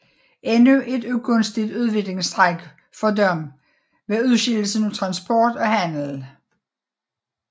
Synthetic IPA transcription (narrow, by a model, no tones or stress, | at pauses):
ʔenuʔe̝d̥uɡʰɔ̽nsd̥id̥uð̞ˠʋe̝ɡ̥le̝ŋsd̥ʁaɡ̥ | fɒ̽dɒm | ʋeuð̞ˠɕil̰l̩sənot͡sʰʁɑ̈nsb̥ɒːd̥ɒ̽hæn̰l̩